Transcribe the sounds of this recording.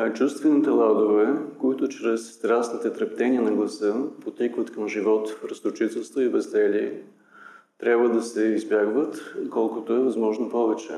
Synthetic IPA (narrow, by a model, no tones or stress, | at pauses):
t͡ʃust̪vɛnit̪ɛlˠad̪ovɛkoit̪ʊt͡ʃɾɛsːt̪ɾasnit̪ɛt̪ɾɐpt̪ɛnʲiənɐɡlˠɐsɤpot̪ikvət̪kɐmʒivɔt̪ɾɐst̪ʊt͡ʃit̪ɛlˠst̪voibɛzd̪ɛliɛ | t̪ɾʲabvəd̪ɐsɛizbʲjaɡvət̪kɔlˠkʊt̪oɛvɐzmɔʒnopɔvɛt͡ʃɛ̰